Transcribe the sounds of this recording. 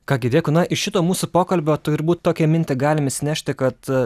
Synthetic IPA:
kɑːɡʲɪd̪ʲeːkʊnɐʔɪʃʲɪt̪oːmuːsʊpoːkɐlʲbʲoːt̪ʊɾbuːt̪t̪oːkʲɛmʲɪnʲt̪ʲɪɡɑːlʲɪmɪsʲɪnʲæːʃʲt̪ʲɪkɐt̪

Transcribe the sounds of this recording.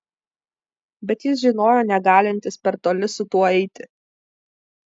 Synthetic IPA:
bʲɛt̪jɪs̬ʒʲɪnoːjoːnʲɛɡɑːlʲɪnʲt̪ʲɪspʲɛɾt̪oːlʲɪsʊt̪uɔɛɪt̪ʲɪ

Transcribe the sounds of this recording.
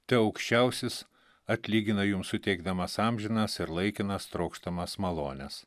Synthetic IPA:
t̪ʲɛɒʊkʃʲt͡ʃʲæʊsʲɪs | ɐt̪ʲlʲiːɡʲɪnɐjʊmsʊt̪ʲɛɪɡd̪ɐmɐsɑmʲʒʲɪnɐsɪɾlˠɐɪkʲɪnɐst̪ɾɒʊkʃt̪ɐmɐsmɐlˠoːnʲɛs

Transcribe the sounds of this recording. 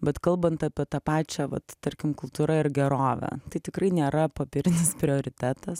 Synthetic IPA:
bʲɛt̪kɐlˠbɐnt̪ɑpʲiɛt̪ɑːpɑːt͡ʃʲɛʋɐ̰t̪t̪ɐɾʲkʲɪmkʊlˠt̪uːɾɐɪɾɡʲɛɾoːʋʲæ̰t̪ɐɪt̪ʲɪkɾɐɪnʲeːɾɐpoːpʲɪɾʲɪnʲɪspʲɾʲɪoːɾʲɪt̪ʲæːt̪ɐs

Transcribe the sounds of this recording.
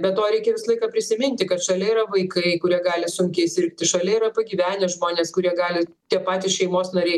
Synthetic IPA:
bʲɛt̪tːoːɾʲɛɪkʲɛʋʲɪslˠɐɪkɑːpʲɾʲɪsʲɪmʲɪnʲt̪ʲɪkɐt̪ʃɐlʲɛiɾɐʋɐɪkɐɪkʊɾʲiɛɡɑːlʲɪsʊŋʲkʲɛɪsʲɪɾʲkʲt̪ʲɪʃɐlʲɛiɾɐpɐɡʲiːʋʲæːnʲɛʒmoːnʲeːskʊɾʲiɛɡɑːlʲɪt̪ʲiɛpɑːt̪ʲɪsʃʲɛɪmoːsnɐɾʲɛɪ

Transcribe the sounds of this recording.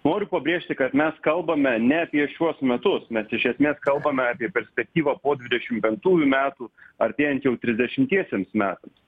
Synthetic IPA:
noːɾʲʊpɐbʲɾʲeːʃʲt̪ʲɪkɐt̪mʲɛskɐlˠbɐmʲɛnʲɛɐpʲiɛʃʲuɔsmʲɛt̪ʊsmʲɛsɪʃʲɛsʲmʲeːskɐlˠbɐmʲɛɑːpʲiɛpʲɛɾʲsʲpʲɛk̚t̪ʲiːʋɑpoːd̪ʲʋʲɪd̪ʲɛʃʲɪmpʲɛŋk̚t̪uːjuːmʲæːt̪uːɐɾʲt̪ʲeːjɛnt̪jɛʊt̪ʲɾʲɪzʲd̪ʲɛʃʲɪmt̪ʲiɛsʲeɛmsmʲæːt̪ɐms

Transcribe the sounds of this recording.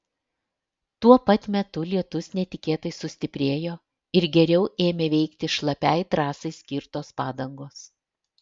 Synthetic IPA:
t̪uɔpɐt̪ʲmʲɛt̪ʊlʲiɛt̪ʊsnʲɛt̪ʲɪkʲeːt̪ɐɪsʊsʲt̪ʲɪpʲɾʲeːjoː | ɪɾɡʲɛɾʲɛʊʔeːmʲeːʋʲɛɪkt̪ʲɪʃlˠɐpʲɛɪt̪ɾɑːsɐɪsʲkʲɪɾt̪oːspɑːd̪ɐŋɡoːs

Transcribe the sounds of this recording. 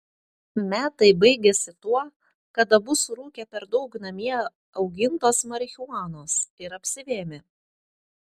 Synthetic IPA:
mʲæːt̪ɐɪbɐɪɡʲɛsʲɪt̪uɔ | kɐd̪ɐbʊsɾuːkʲɛpʲɛɾd̪ɒʊknɐmʲiɛ | ɒʊɡʲɪnt̪oːsmɐɾʲxʲuɑːnoːsɪɾɐpʲsʲɪʋʲeːmʲe

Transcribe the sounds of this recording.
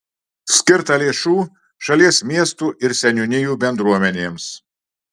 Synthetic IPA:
sʲkʲɪɾt̪ɐlʲeːʃuː | ʃɐlʲiɛsmʲiɛst̪uːʔɪɾsʲɛnʲʊnʲɪjuːbʲɛnd̪ɾuɔmʲɛnʲeːms

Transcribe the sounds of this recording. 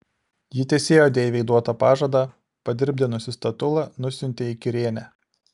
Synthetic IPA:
jɪt̪ʲɛːsʲeːjoːd̪ʲeːʋʲɛɪd̪uɔt̪ɐpɑːʒɐd̪ɑˑ | pɐd̪ʲɪɾʲbʲd̪ʲɪnʊsʲɪst̪ɐt̪ʊlˠɐnʊsʲɪnʲt̪ʲeɪkʲɪɾʲeːnʲæ

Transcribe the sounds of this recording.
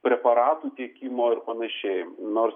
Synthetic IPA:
pʲɾʲɛpɐɾɑːt̪uːt̪ʲiɛkʲiːmoːɪrpɐnɐʃʲɛɪnoːrs

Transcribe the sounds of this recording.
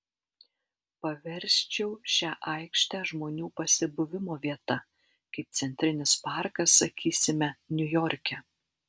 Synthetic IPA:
pɐʋʲɛɾʲˑsʲt͡ʃʲɛʊʃʲæːʔɐɪkʃʲt̪ʲæːʒmoːnʲuːpɐsʲɪbʊʋʲɪmoːʋʲiɛt̪ɐ | kɐɪp̚t̪sʲɛnʲt̪ʲɾʲɪnʲɪspɑˑɾkɐsːɐkʲiːsʲɪmʲɛnʲʊjɔɾʲkʲɛ

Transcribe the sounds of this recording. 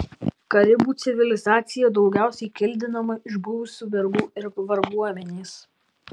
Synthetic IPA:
kɐɾʲɪbuːt̪sʲɪʋʲɪlʲɪzɑːt̪sʲɪjɛd̪ɒʊɡʲæˑʊsʲɛɪkʲɪlʲd̪ʲɪnɐmɐʔɪʒbʊʋʊsʲuːʋʲɛɾɡuːɪɾʋɐɾɡuɔmʲɛnʲeːs

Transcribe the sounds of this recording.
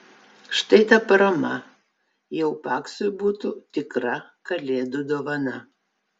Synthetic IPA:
ʃt̪ɐɪt̪ɐpɐɾɐmɐ | jɛʊpɑːksʊjbuːt̪ʊt̪ʲɪkɾɐkɐlʲeːd̪ʊd̪oːʋɐnɐ

